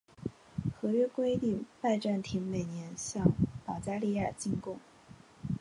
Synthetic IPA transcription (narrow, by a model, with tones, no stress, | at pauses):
xɤ˧˥ɥɛ˥kwe˥ɪt̪i˥˧ŋpa˥˧ɪʈ͡ʂa˥˩nt̪ʰi˧˥ŋme˨˩ɪnjɛ˧˥nɕjɑ˥˧ŋpɑ˨˩t͡ɕja˥li˥˧ja˞˥˩t͡ɕi˥˧ŋkʊ˥˩ŋ